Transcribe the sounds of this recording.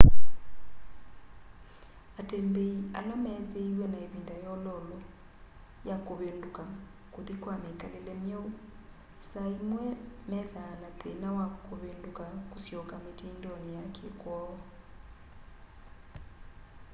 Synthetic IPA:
atembeia̰lamɛðeiɾwɛnaeβindajɔlɔlɔ | jakoβenduka | koðikwamekalelɛmjɔu | saimwɛmɛðaːnatenawakoβeːndukakosjɔkametindɔnejakʰekwɔɔ

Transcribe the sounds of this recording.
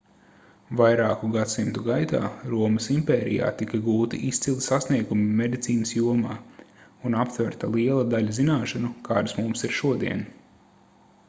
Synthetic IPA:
vajɾaːkuɡat̪simt̪uɡajt̪a̰ːɾuɔmɐsimpɛːɾḭja̰ːt̪ikɐɡuːt̪iʔist̪silˠt̪ʲsasniɛɡumimed̪it̪siːnəsjuɔmaːunapt̪vɛɾt̪alˠiɛlˠɐd̪aʎʲɐzinaːʃanukaːd̪ɐsmumsiɾʃuɔd̪iɛn

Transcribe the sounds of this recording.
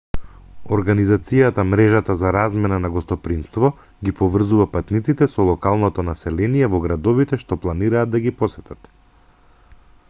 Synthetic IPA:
ɔɾɡanizat̪sijat̪amɾɛʒat̪azaɾazmɛnanaɡɔst̪ɔpɾimst̪vɔ | ɡipɔvr̩zuvapat̪nit̪sit̪ɛsɔlˠɔkalˠnɔt̪ɔnasɛlɛnijɛvɔɡɾad̪ɔvit̪ɛʃt̪ɔplˠaniɾaːd̪̚d̪aɡipɔsɛt̪at̪

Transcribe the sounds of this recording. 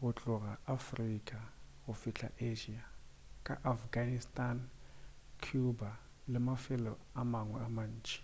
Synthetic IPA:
ɣʊt͡ɬʼʊɣaafrikʼaɣʊfiɬʰa̰ʔeʒiakʼa̰ʔafɡanistʼan | kʰuba | lɪmafɪlɔamaŋwɛaman̩ːt͡ʃʼi̥

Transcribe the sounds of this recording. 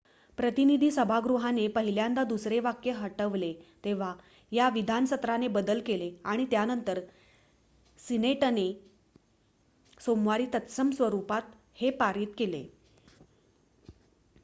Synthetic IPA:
pɾət̪inid̪ʱiːsəbʱaɡɾuɦanepəɦiljand̪ad̪usɾeʋakjəɦəʈəʋlet̪eʋ̤a | jaʋid̪ʱanəsət̪ɾanebəd̪əlkeleaɽ̃it̪janənt̪əɾ | sineʈəne | somʋaɾiːt̪ət̪səmsʋəɾupat̪ | hepaɾiːt̪kelḛ

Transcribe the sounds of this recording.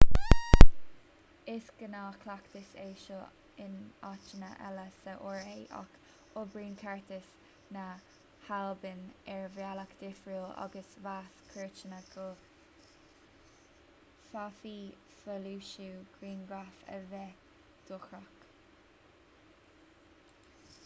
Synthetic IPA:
ɪsɡ̥ənaːkʰlakt̪ɪseːʃo | ɪnat͡ʃənə̰ʔɛ̰ləsəʔoɹeːʔa̰k | obɹiːnkʰɛɹt̪ɪs | na | halbɪnɛɹvjalakd̪̥ɪfɹuːla̰ɡəsvaskʰɪɹt͡ʃənəɡo | fafiː | səluːʃuːɡ̥ɾiːnɡɹafə̰vɛ | d̪̥ʊxɹak

